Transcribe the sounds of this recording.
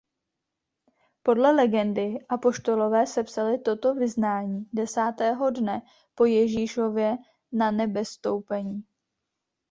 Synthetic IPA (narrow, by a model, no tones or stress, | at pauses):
po̞dlɛlɛɡɛndɪʔapo̞ʃt̪o̞lo̞vɛːsɛpsalɪt̪o̞t̪o̞vɪznaːɲiːdɛsaːt̪ɛːɦo̞dnɛ | po̞jɛʒiːʃo̞vjɛ | nanɛbɛst̪owpɛɲiː